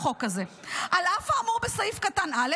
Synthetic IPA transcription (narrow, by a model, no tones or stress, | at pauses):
χo̞kaze̞ | ʔalafaːmuʁbesaifkatanale